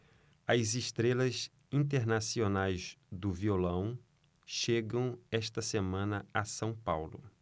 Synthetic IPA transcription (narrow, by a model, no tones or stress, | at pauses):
ɐziʃt̪ɾelɐz | ĩnt̪eɾnasionajzd̪ʊviolɐ̃w̃ | ʃeɡɐ̃w̃ɛʃt̪ɐsemɐ̃nɐasɐ̃w̃pawlʊ̰